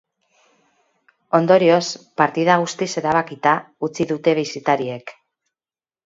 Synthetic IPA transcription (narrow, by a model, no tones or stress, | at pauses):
o̞nd̪o̞ɾio̞spaɾt̪ið̞aɣ̞ust̪ise̞ɾaβ̞akit̪a | ut͡siðut̪e̞βisit̪aɾie̞k